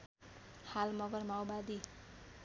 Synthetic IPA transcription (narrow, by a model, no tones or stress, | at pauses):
halmʌɡʌrmawbad̪i